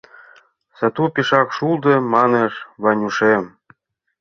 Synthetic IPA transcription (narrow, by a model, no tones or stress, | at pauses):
sɑt̪upiʃɑkʃulˠd̪ɤ̆mɑneʃβɑnʲuʃem